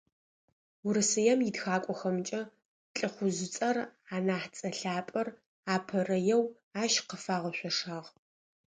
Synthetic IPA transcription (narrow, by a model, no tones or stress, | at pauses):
wʊɾɨsɨjɛmjɪdxaːkʷʼɔxɐmt͡ʃʼɐ | ɬʼɨχʷʊzɪt͡sʼɐraːnaːħt͡sʼɐɬaːpʼɐr | aːpʰɐrɐjɛw | aːʃqəfaːʁɐɕʷɔʂaːʁ